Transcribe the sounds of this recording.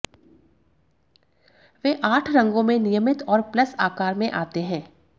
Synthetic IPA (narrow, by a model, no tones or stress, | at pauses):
ʋeːʔaːʈʰɾɐ̃ŋɡõmẽnɪjəmɪt̪ɔːɾplɐsaːkaːɾmẽʔaːt̪eɦɛ̃ː